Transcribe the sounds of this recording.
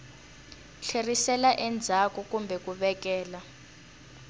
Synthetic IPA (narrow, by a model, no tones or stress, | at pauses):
ɬʰerisɛlaʔɛnd͡zʱakɔkumbʱɛkuɓɛk̬ɛːla